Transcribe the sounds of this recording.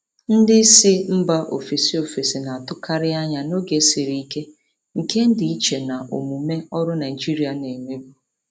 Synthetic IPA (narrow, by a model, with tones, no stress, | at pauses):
n̩˦dɪ˦sɪ˦m̩˦ba˦ʔo̰˨fi˨si˦o˨fi˨si˨na˨a˨tʊ˦ka˦ɾɪ˦a˦ɲa˨no˦ɡe˨˦si˨ɾi˦i˦ke˦ | ŋ̩˨ke˦n̩˦di˨i˦t͡ʃe˨na˨ʔo̰˨mu˨me˦ɔ˦ɾʊ˦na˨i˨d͡ʒi˦ɾi˦a˨ne˨ŋʷe˦ɡu˨